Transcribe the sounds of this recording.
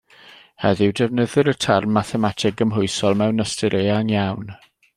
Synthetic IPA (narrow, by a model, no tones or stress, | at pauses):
hɛðɪwdɛvnəðɨɾətʰarmaθɛmatʰɪɡəmɦʊɨsɔlˠmɛwnəstəɾʔeanjawn